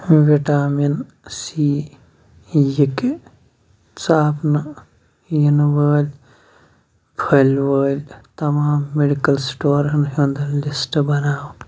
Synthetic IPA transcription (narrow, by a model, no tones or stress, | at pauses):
ʋiʈaːmin | siː | jik | t͡saːpnɨ | jinwəːlʲ | pʰɐlʲwəːlʲt̪ɐmaːmːeɖikɐlsʈoːɾɐnɦund̪ɐlisʈbɐnaːw